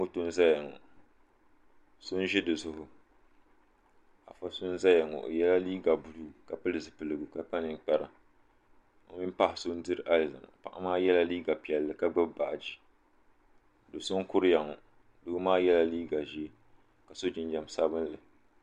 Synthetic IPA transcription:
ŋo˦to˦n˦za˦ja˨ŋɔ̰˨ | so˦n˦ʒɪ˦dɨ˨zʊ˦ɦʊ˦ | a˨fa˦sʊ˦n˦za˦ja˨ŋɔ̰˨ʔjɛ˦la˦liː˦ɡa˨bu˨du˦ka˨pɨ˦lɨ˨zɨ˨pɨ˨lɨ˨ɡɨ˨ka˨pa˦nɨ˨ŋ˨k͡pɛ˦ɾa̰˨ | o˨mi˦m˦pa˦hɪ˨so˦n̩˦dɨ˦ɾɨ˦ʔa˦lza̰˨ma̰˨pa̰˨ʔa˦maː˦jɛ˦la˦liː˦ɡa˨pi˨ɛ˨lːɨ˨ka˦ɡ͡bɨ˦bba˨ʔd͡ʒi˦˨ | do˨so˦n˦kʊ˦ɾɨ˦ja˨ŋɔ˨ | dʊ˦maː˦jɛ˦la˦liː˦ɡa˨ʒi˦ | ka˨so˦d͡ʒɪ˦n˦d͡ʒa˨m˨sa˦bɨ˦n˦lɨ˨

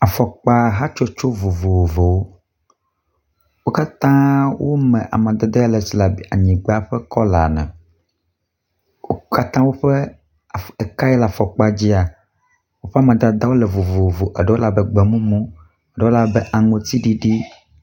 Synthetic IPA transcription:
a˨fɔ˨k͡pa˦ɦa˦t͡ʃo˦t͡ʃo˦vo˨vo˨wo˨vo˨wo˦ | wo˦ka˦t̪ã˦wʔo˦mɛ̃˨ʔa̰˨mã˨d̪ɛ˨d̪e˦a˦lɛ˨si˨la˨bi˨a˨ɲĩ˨ɡ͡ba˦ɸɛ˦kɔ˦la̰˨nɛ̰̃˨ | wo˦ka˦t̪ã˦wo˦ɸɛ˦˨ | ɛ˨ka˦ɛ˦la˨fɔ˨k͡pa˦d͡ʑi˦a˨ | wo˦ɸɛ˦a˦˨mã˨d̪a˨d̪a˦wo˦lɛ˨vo˨vo˨wo˨vo˨ʔɛ˨ɖɛ˦wo˦la˦bɛ˦ɡ͡bɛ˨mũ˦mũ˦ | ɛ˨ɖɛ˦wo˦la˨bɛ˦ʔa˨ŋõ˨t̪i˦ɖi˦ɖi˦

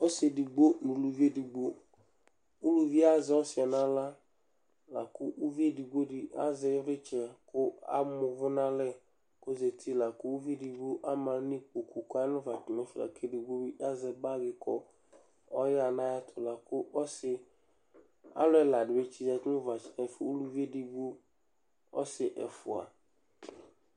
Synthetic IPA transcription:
ɔ˦se˨di˨ɡ͡bo˦nũ˨lu˨vi˦e˦di˨ɡ͡bo˦ | u˦lu˨vi˦a˦zɪ˨˦ɔ˦sɪ˨ɔ˨nã˦la˦ | la˨kʊ˦u˦vi˦e˦di˨ɡ͡bo˦dɪ˨a̰˦zɪ˦ɾɪ˦t͡ʃɛ˨kʊ˦a̰˦mʊ˨vʊ˦nã˦lɛ˦ | ko˦ze˨tʰi˦la˨kʊ˦u˦ve˦di˨ɡu˦ʔa˦mã˨˦ni˦k͡po˨ku˨ka˦nʊ̃˦va˨t͡ʃɪ˨nɛ˨fla̰˨kʰe˦di˨ɡo˦bi˦ʔa˦zɛ˨ba˦ɡɪ˨kʰɔ˦ | ɔ˦ja˨nã˦ja˦tʰʊ˨la˨kʊ˦ʔɔ˦sɪ˨ | a̰˦lʊ˦ɛ˦la˨dɪ˨be˦t͡ʃi˦za˨tʊ˦va˨t͡ʃɪ˨nɛ˨fʊ˨o˦lu˦vi˦e˦di˨ɡ͡bu˦ | ɔ˦sɪ˨ʔɛ˨fʊ˨a̰˨

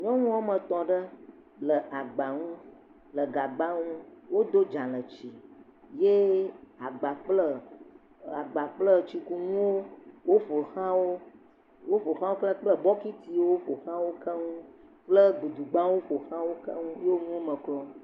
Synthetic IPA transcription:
ɲɔ̃˦ŋũ˦a˦mə̃˨t̪ɔ̃˨ɖə˦ | lə˨ʔa˨ɡ͡ba˨ŋũ˦ | lə˨ɡa˨ɡ͡ba˦ŋũ˦wo˦d̪o˦d͡ʒa˨lə˨t͡ɕi˨ | je˦a˨ɡ͡ba˨k͡plə˦ | a˨ɡ͡ba˨k͡plə˦t͡ʃi˦ku˦ŋũ˦wo˦wo˦ɸo˨xã˦wo˦ | wo˦ɸo˨xã˦wo˦k͡plə˦k͡plə˦bɔ˦ki˦t̪i˦wwo˦ɸo˨xã˦wo˦kə˦ŋũ˦ | k͡plə˦ɡ͡bu˨d̪u˨ɡ͡bã˦wo˦ɸo˨xã˦wo˦kə̰˦ŋũ˦je˦wo˦ŋũ˦wo˦mə̃˨klɔ̃˦

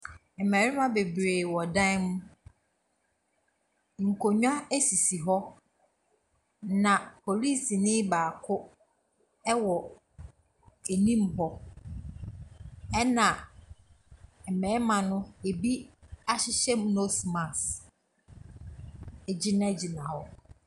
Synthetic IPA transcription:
m̩˨mɛ̃˨ɾɪ˦mã˦be˨bɾeː˨wɔ˨dã˦mũ˦ | ŋ̩˨kʰo˨ɲᶣ˦ã˦æ˦si˨si˨ɦɔ˦ | nã˨pʰo˨li˦˨si˨nɪ̃˦baː˨kʰʊ˦ | ɛ˦wɔ˨ | e˨nĩ˦m̩˨hɔ˨ | ɛ˦nã˨ | m̩˨mɛ̃˨˦mã˨nʊ̃˦e˨bi˦a˦ɕɪ˦ɕɛ˦m̃˦no˦smã˨s | ɛ˨d͡ʑɪ˦nã˦˨d͡ʑɪ˨nã˨hɔ˦

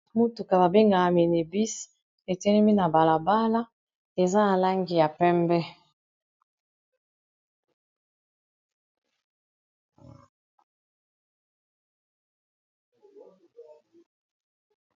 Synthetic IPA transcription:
mu˦tu˨ka˨ba˨be˦ŋɡa˨a˨me˨ne˨bi˦s | e˨tɛ˦nɛ˦mi˦na˨ba˨la˨ba˦la˦ | e˨za˦na˨la˦ŋɡi˨ja˨pɛ˦mbɛ˦

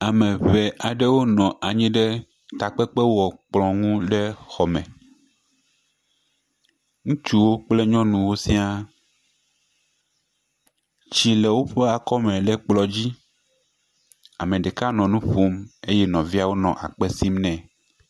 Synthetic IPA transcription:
a˨mɛ̃˨βe˨ʔa˨ɖe˦wo˦nɔ̃˨ʔa˨ɲĩ˦ɖe˦ | t̪a˨k͡pɛ˦k͡pɛ˦wɔ˨k͡plɔ̃˨ŋũ˦ɖe˦xɔ˨mɛ̃˨ | ŋũ˦t͡ʃu˦wo˦k͡ple˦ɲɔ̃˦nũ˨wo˦si˦a˦ | t͡ɕi˨lɛ˨wo˦ɸe˦a˨kɔ˦mɛ̃˨ɖɛ˦k͡plɔ˨d͡ʑi˦ | a̰˨mẽ˨ɖɛ˨ka˦nɔ̃˨nũ˦ɸo˦me˦jɛ˦nɔ̃˨vi˦a˦wo˦nɔ̰̃˨ʔa̰˨k͡pɛ˦si˦mnɛ̃˨

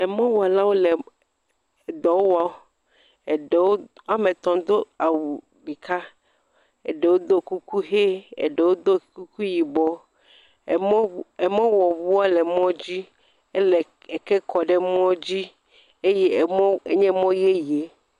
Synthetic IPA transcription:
ɛ˨mɔ̃˦wɔ˨a˨la˦wo˦le˨ | d̪ɔ˨wo˦wa˨o˦ | e˨ɖe˨wo˦a˦mẽ˨t̪ɔ̃˨d̪o˦a˨wu˨ | ɖi˨ka˦ | e˨ɖe˨wo˦d̪o˦ku˦ku˦ɦe˦ḛ˨ɖe˨wo˦d̪o˦˨ku˦ku˦ji˨bɔ˦˨˦ | e˨mɔ̃˦wɔ˨vu˦a˦lɛ˨mɔ̃˦d͡ʑi˦ | e˦le˨ | e˨kɛ˦kɔ˨ɖɛ˦m˦ɔ̃˦d͡ʑi˦ | e˦je˦˨˦e˨ɲɛ̃˦mɔ̃˦je˦je˨˦

